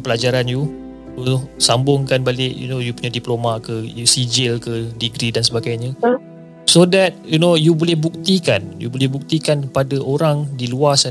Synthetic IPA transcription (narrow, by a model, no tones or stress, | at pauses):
pəlad͡ʒaɾanju | usambʊŋkanbalɪʔjṵnojupuɲadiplomaʔkəjusid͡ʒɪlkədiɡɾidansəbaɡajɲə | sodɛt̚junojubolɛhbuk̚t̪ikanjṵbolɛhbuk̚t̪ikanpadaʔoɾaŋdiluas